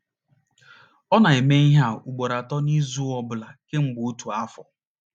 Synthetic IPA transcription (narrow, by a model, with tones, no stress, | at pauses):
ɔ˦na˨e˨me˦i˦ɦa˦u˨ɡ͡bo˨ɾa˨tɔ˦ni˦zu˦ɔ˦bʊ˨la˨ke˦ŋ͡m̩˦ɡ͡bʊ˨u˦tu˨a˦fɔ˨